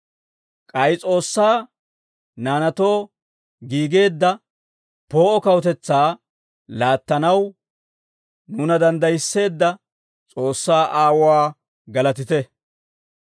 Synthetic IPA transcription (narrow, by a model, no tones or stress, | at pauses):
kʼɐjt͡sʼo̞ːsːaː | naːnɐt̪o̞ː | ɡiːɡe̞ːd̪ːɐ | po̞ːʔɔkɐwt̪ɛt͡sːaː | laːt̪ːɐnɐw | nʊnɐd̪ɐnd̪ɐjɪsːe̞ːd̪ːɐ | t͡sʼo̞ːsːaːʔaːwɔwaː | ɡɐlɐt̪̬ɪt̪ɛ